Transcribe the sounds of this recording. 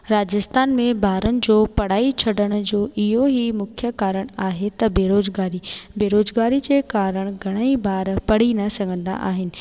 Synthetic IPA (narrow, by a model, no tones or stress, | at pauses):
ɾaːd͡ʑɪst̪aːnmẽbʱaːɾənɪ̆d͡ʑoːpɐɽ̤aːit͡ɕʰɐɗəɽ̃ʊ̆d͡ʑoːʔɪɦoɦimʊkʰjəkaːɾəɽ̃aːɦet̪ɐbeːɾoːzɡaːɾibeːɾoːzɡaːɾid͡ʑeːkaːɾəɽ̃ɡʱɐɽ̃əibʱaːɾpɐɽ̤inɐsɐŋɡʱə̃nd̪a̰ʔa̰ːɦɪnɪ̆